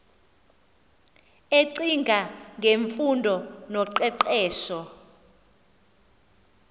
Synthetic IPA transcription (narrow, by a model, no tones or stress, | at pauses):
eǀiŋɡʱaŋɡʱeɱfundʱɔnɔǃɛǀɛːʃɔ